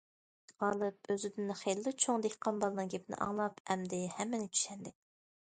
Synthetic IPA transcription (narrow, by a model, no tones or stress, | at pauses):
ʁɑlˠɨpøzyd̪ynχelːɪt͡ʃʰoŋd̪ekʲqʰɑnbɑlˠnɨŋɡʲepɪnɪ̰ʔɑ̰ŋlˠɑpɛmd̪ɪhɛmːɪnɪt͡ʃʰy̥ʃɛnd̪ɪ